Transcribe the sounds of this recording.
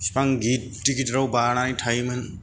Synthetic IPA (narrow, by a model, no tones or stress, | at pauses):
spaŋɡit̚ːikitɾawbananajtʰajmɯn